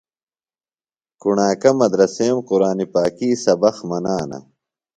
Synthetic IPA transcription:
kuɳaːkɐmɐd̪ɾɐseːmquɾaːnipaːkiːsɐbɐxmɐnaːnɐ̰

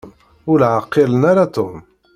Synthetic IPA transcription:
ʊlʕaqːɪlənaɾat̪om

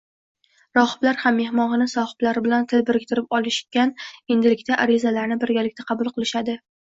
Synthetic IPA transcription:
ɾɒhɨ̥blaɾhamːe̞hmɒʁɨnɪsɒhɨ̥b̥laɾɪbɪlant̪ʰɪlbɪɾɪkʲt̪ɪɾɪpɒlˠɪʃkʲane̞nd̪ɪlɪkʲt̪ʰaʔaɾɪzalaɾnɪbɪɾɡʲalɪk̚ʲt̪aqʰɑbʊlˠqɨlˠɪʃad̪ɪ

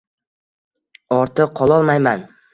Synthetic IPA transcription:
ɒɾt̪ʰɨqʰɒlˠɒlˠmajman

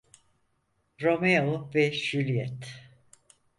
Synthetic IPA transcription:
ɾo̞meovɛʃylʲijɛt̪

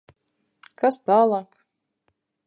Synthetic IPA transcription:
kast̪aːlˠaːk

